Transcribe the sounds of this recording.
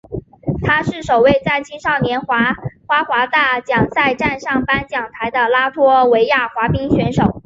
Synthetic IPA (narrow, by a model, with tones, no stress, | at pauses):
t̪ʰa˥ʂɻ̩˥˩ʂo˨˩ʊwe˥˧ɪt͡sa˥˩ɪt͡ɕʰi˥nʂɑ˥˩ʊnjɛ˧˥nxwa˧˥xwa˧˥xwa˧˥t̪a˥˩t͡ɕjɑ˨˩ŋsa˥˧ɪʈ͡ʂa˥˧nʂɑ˥˩ŋpa˥nt͡ɕjɑ˨˩ŋt̪ʰa˧˥ɪd̪ə˧la˥t̪ʰwɔ˥we˧˥ɪja˥˩xwa˧˥pi˥ŋɕɥɛ˧˥nʂo˨˩˦ʊ